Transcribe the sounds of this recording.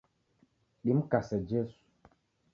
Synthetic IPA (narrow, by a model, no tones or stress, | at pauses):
ɗim̩kasɛd͡ʒɛsu̥